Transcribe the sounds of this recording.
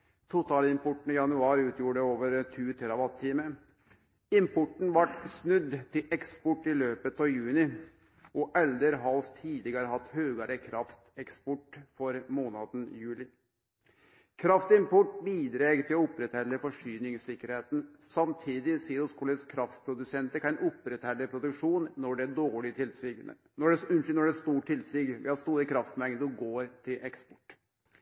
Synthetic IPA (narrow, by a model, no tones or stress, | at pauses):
t̪ʰʊt̪ʰɑːlɪmpʊʈːn̩ɪjɑnʉɑːɾʉːt̪ʰjuːɖəoːʋəɾt̪ʰʉːt̪ʰɛɾɑʋɑt̪ʰːiːmə | ɪmpʰʊʈn̩ʋɑʈsnʉd̪ːt̪ʰɪlʔɛkspʊʈːɪløːpət̪ɑːjʉːnɪ | ɔʔɛld̪əɾɦɑlst̪ʰiːd̪lɪɡəɾəɦɑt̪ːhøːɡəɾəkʰɾɑft̪ɛkspɔʈfɔɾmoːnɑd̪n̩jʉːlɪ | kʰɾɑft̪ɪmpʰɔʈbiːd̪ɾeːɡt̪ʰɪlɔʊpɾɛt̪hɛlːəfɔʂyːnɪŋsɪkːəɾheːt̪n̩sɑmt̪ʰiːd̪ɪsiːɾʊskʰuləskʰɾɑft̪pʰɾʊd̪ʉsɛnt̪əkʰɑɛnʔʊpːɾɛt̪hɛlːəpʰɾʊd̪ʉkʂuːnːɔɖɛɖoːɭɪt̪ʰɪlsɪɡ | nɔɖɛʉnnɔɖɛst̪uːʈʰɪlsɪɡʋɛ̰hɑst̪uːɾəkʰɾɑft̪mɛŋd̪əɔɡoːɾt̪ʰɪlʔɛkspɔ̥ʈː